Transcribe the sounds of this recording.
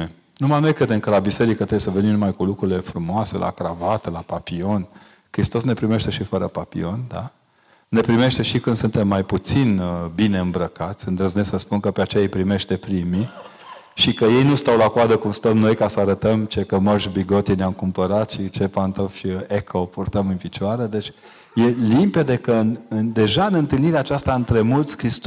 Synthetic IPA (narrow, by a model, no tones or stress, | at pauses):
e | numano̞jkɾe̞d̪e̞mkəlabise̞ɾikət̪ɾewesəvenimnumajkulukɾuɾile̞fɾumoase̞̰lʔa̰kɾavat̪əlapapio̞n | kɾist̪o̞sne̞pɾime̞ʃt̪e̞ʃifəɾəpapḭo̞nd̪a̰ | ne̞pɾime̞ʃt̪e̞ʃikɨnd̪sunt̪e̞mːajput̪sinbine̞ɨmbɾəkat̪sʲɨnd̪ɾəznesəspunkəpeat͡ʃejaejpɾime̞ʃt̪e̞pɾimi | ʃikəje̞jnust̪awlakoad̪əkumst̪əmno̞jkasəaɾət̪əmt͡ʃe̞kəməʃbiɡo̞t̪ineamkumpəɾat̪ʃit͡ʃe̞pant̪ofekʰopurt̪əmɨnfit͡ʃoaɾed̪e̞t͡ʃʲ | je̞limpe̞d̪e̞kənɨnd̪e̞ʒaɨnɨnt̪ɨlniɾeaːt͡ʃast̪aɨnt̪ɾe̞mult̪sʲkɾist̪